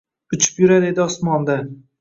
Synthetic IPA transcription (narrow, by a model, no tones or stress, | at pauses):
ʊt͡ʃʰɪ̥pjʊɾad̪e̞d̪ɪɒsmɒnd̪a